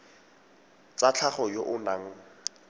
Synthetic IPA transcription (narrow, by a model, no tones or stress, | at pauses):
t͡sat͡ɬʰaχɔjoʔʊnaŋ̩